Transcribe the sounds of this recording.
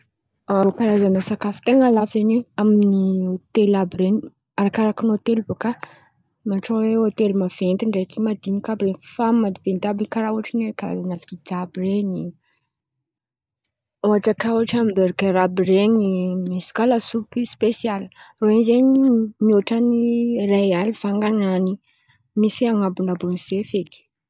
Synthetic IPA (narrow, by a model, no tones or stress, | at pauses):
aɾokaɾazanəsakafi̥t̪eŋalafizaɲiaminiot̪elabɾen | aɾakaɾakinot̪elboka | maʈ͡ʂoweot̪elimav̥ent̪iɳɖ͡ʐak̪imad̪inikabiɾenfammad̪ivent̪abiŋkaɾauaʈ͡ʂinwekaɾa̰zanəb̥id͡ʒabireɲi | oaʈ͡ʂakauaʈ͡ʂambeɾkeɾabireɲimiskalasupispesialroenzeɲimioʈ͡ʂanirajalifaŋɡanani | misiaŋabunabunisefeki̥